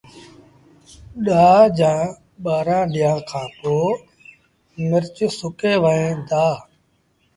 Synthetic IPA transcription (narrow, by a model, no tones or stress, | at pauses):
ɗaːd͡ʒãː | ɓaːɾãːɗɪjãːkʰãːpoː | mɪɾt͡ʃsʊkeːʋəẽːd̪aː